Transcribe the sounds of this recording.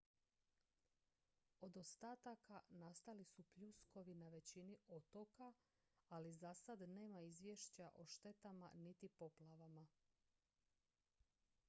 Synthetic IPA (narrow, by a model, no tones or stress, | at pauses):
o̞d̪ost̪aːt̪akanast̪alisupʎusko̞ʋinaʋe̞t͡ɕiniot̪oka | alizasad̪ne̞ːmaizʋjeʃt͡ɕaʔo̞ʃt̪e̞t̪ama̰nit̪ipo̞plaʋama